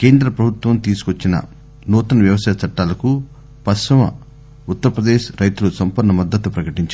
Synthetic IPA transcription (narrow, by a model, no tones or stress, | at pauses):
keːnd̪ɾɐpɾɐbʱut̪ʋɐmt̪iːsu̥kot͡ʃːinɐ̰ | nuːt̪ɐnɐʋjɐʋɐsaːjɐt͡ʃɐʈːaːlɐku | pɐsɐmɐ̰ | ut̪ːɐɾɐpɾɐd̪eːʃɾɐjt̪ulusɐmpɐɾnːɐmɐd̪ːɐt̪upɾɐkɐʈiɲt͡ʃ